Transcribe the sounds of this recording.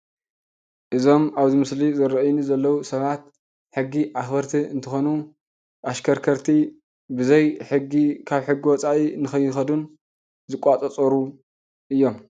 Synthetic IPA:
ʔɨzo̞maβzimɨslizɨɾɐʔjnuzɐlːɐwusɐβat̪̚ | ħɨɡːiʔaxbɐɾt̪ʰiɨ̰nt̪ʰɐxonu | ʔaʃkʰɐɾkʰɐɾt̪ʰi | bɨzɐjħɨɡːikʰaβħɨɡiwɔt͡sʼaʔinɨxɐjːɪxɐd̪un | zɨkʼat͡sʼɐt͡sʼɐɾu | ʔɨjːo̞m

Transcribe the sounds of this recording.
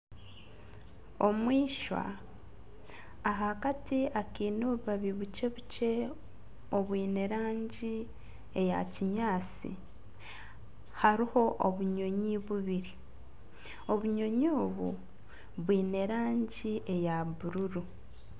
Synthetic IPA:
o̞mwiːʃwa̰ | ɦakatiakiːnoβuβaβiβut͡ʃe̞βut͡ʃe̞ | o̞βwiːne̞ɾaːɲɟi | eja̰ciɲaːt͡sḭ | haɾiho̞ʔoβuɲo̞ɲiβuβiɾi | o̞βuɲo̞ɲoːβṵ | βwiːne̞ɾaːɲɟiʔe̞jaβuɾuɾu

